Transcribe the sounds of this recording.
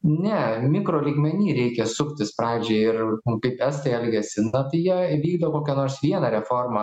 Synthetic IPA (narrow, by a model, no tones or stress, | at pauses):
nʲɛmʲɪkɾoːlʲiːɡmʲɛnʲiːɾʲɛɪkʲɛsʊkʲt̪ʲɪspɾɑːʋʲd͡ʒʲɛɪɪrkɐɪpɛst̪ɐɪɛlʲɡʲɛsʲɪnɐt̪ɐɪjiɛʋʲiːɡd̪oːkoːkʲɛnoːrsʋʲiɛnɐɾʲɛfoːrmɐ